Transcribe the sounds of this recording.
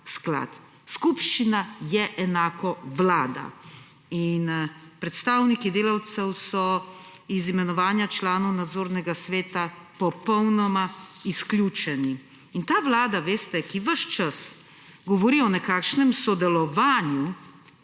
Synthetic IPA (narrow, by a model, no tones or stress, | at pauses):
skla̰ːt̪ | skupʃt͡ʃinajɛʔɛnaːkɔʋlaːd̪a̰ | inpɾɛt̪st̪aːwnikid̪eːlawt̪sɛwsɔ | izimɛnɔʋaːnjat͡ʃlaːnɔwnad̪zoːɾnɛɡasʋeːt̪a | pɔpɔwnɔmaiskljuːt͡ʃɛni | int̪aːʋlaːd̪aʋeːst̪ɛkiʋəʃt͡ʃas | ɡɔʋɔɾiɔnɛkaːkʃnɛmsɔd̪ɛlɔʋaːnju